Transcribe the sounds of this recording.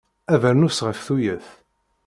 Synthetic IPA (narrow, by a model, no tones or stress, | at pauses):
ævəɾnusʁəfθujəθ